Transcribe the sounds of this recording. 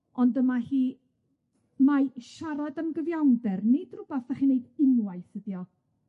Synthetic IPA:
ɔndəmahiː | maʃaɾadəmɡəvjawndɛrnɪd̥rʊbaθaχinejdɪnwajθəðjɔ

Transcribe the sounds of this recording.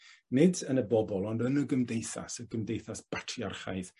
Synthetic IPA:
nɪdənəbɔbɔlˠɔndənəɡəmdejθa̰səɡəmdejθasb̥atʰriarχa̰jð

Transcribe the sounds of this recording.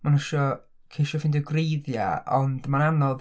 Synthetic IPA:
manuʃɔ | kʰeʃɔfɪndiɡrejðja̰ɔndmananɔð

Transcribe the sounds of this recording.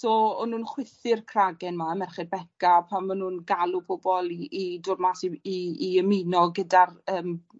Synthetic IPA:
soːɔnuːnχwɪθɪrkʰraɡɛnmaəmɛrχɛdbɛkapʰammanuːnɡalˠupʰobɔlˠiːdʊrmasiiiəminɔɡədarəːm

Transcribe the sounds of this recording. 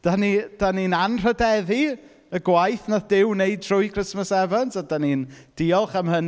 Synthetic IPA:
d̥anid̥aninanr̥ədɛði | əɡwajθnaðdɪwnejd̚tʰrʊɨkʰrɪsməsɛvansadanind̥iːɔlˠχamhən

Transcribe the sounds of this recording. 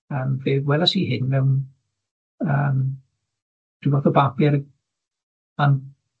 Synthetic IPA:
əːmveːwɛlasiɦɪnvɛwn | əːm | d̥ivɔθɔbapjɛɾ | an

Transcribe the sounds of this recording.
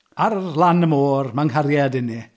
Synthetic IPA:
arlˠanəmoːrmaŋɦaɾjadɪni

